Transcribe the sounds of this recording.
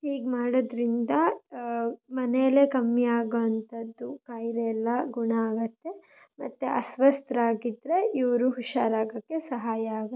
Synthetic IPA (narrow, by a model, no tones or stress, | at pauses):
iːɡmaːɽod̪ɾind̪ɐ | mɐnejɐlekɐmːijaːɡoɐnt̪ʰɐd̪ːukaːjɾeɛlːɐɡuɳaaːɡɐt̪ːe̞ | mɐt̪ːeʔɐsʋɐst̪ɾɐaːɡid̪ɾe̞ʔiʋɐɾuɦuʃaːɾaːɡɐkːe̞sɐɦaːjɐaːɡɐ